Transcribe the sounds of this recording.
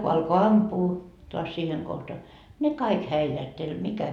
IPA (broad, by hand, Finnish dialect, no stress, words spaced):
ko ɑlko ɑmpuː toɑs siːheŋ kohtɑ ne kɑik hæilæhtelʲ mikæ